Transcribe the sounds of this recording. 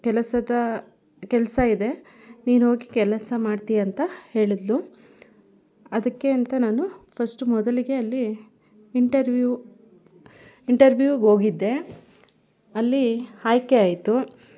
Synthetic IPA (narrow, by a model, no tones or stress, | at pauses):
kɛlɐsɐd̪ɐ | kɛlɐsɐid̪e̞ | niːnɦo̞ːɡikɛlɐsɐmaːɖt̪ijɐːnt̪ɐhe̞ːɭid̪lu | ɐd̪ɐkːe̞ɐnt̪ɐnaːnupʰɐsʈumɔd̪ɐliɡe̞ɐlːiː | ɳʈɐɾʋju | iɳʈɐɾʋjuːɡo̞ːɡid̪ːe̞ | ɐlːihaːjkeaːjt̪u